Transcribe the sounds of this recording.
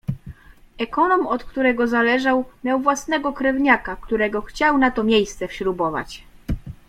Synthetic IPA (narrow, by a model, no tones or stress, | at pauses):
ɛkɔnɔmɔt̪kt̪uɾɛɡɔzalɛʐawmʲjawvwasnɛɡɔkɾɛvɲakakt̪uɾɛɡɔxt͡ɕawnat̪ɔmʲjejst̪sɛfɕɾubɔva̰t͡ɕ